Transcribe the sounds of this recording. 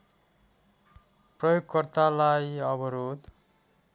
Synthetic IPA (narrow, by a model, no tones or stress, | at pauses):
prʌjoɡkʌrt̪alajʌbʌɾod̪